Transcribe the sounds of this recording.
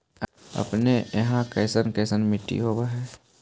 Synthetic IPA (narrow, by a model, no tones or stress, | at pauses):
ə̰pneəɦãkɛːsənkəːsənmɪʈːḭɦoːbaɦɛː